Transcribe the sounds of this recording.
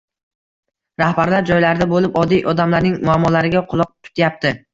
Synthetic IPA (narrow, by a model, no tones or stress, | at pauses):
ɾahbaɾlaɾd͡ʒɒjlaɾd̪abolɪpɒd̪ijʔɒd̪amlaɾnɪŋmʊamːɒlaɾɪɡʲaqʰʊlˠɒq̚t̪ʰʊ̥t̪jap̚t̪ʰɪ